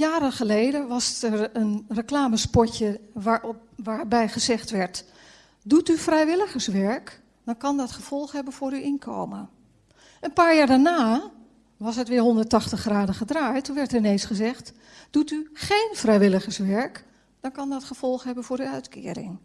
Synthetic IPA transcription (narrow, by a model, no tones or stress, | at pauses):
jaːɾənχəlejdəʋɑstərənrəklaːməspɔɹcəʋa | ʋaːɹbɛjχəzɛχtʋɛɹt | dutyfrɛjʋɪləχəɹsʋɛɹk | d̥ɔnkɑndɑtχəv̥ɔlˠχɦɛbənvʊːɾyʔɪnkʰo̰wmə | ʔənpaːɹjaːɹdaɹnaː | ʋɑsətʋɪːɹɦɔndəɹtɑχtəχraːdəχədraːjtːunʋɛɹtərɪnejnsχəzɛχt | d̥utyχejnfrɛjʋɪləχəɹsʋɛɹk | d̥ɔnkɑndɔtχəv̥ɔlˠχɦɛbənvʊːɾyœɥtkʰɪ̰ːɾɪ̰ŋ